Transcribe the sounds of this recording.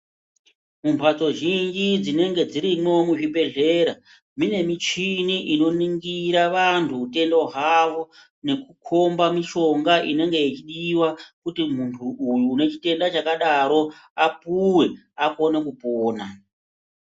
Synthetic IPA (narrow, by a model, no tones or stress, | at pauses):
mumpʰat͡so̞ʒind͡ʒid͡zine̞ŋɡe̞d͡ziɾimo̞muʐibe̞ɮeːɾa | mine̞mit͡ʃiniʔino̞niŋɡiɾaʋantʰuːte̞ndoɦaʋo̞ | ne̞kukʰo̞mbamiʃo̞ŋɡaʔine̞ŋɡe̞it͡ʃiɗiwakutim̤untʰuʔujune̞t͡ʃite̞ndat͡ʃakaɗaɾo̞apuwe̞ | ako̞ne̞kupoːna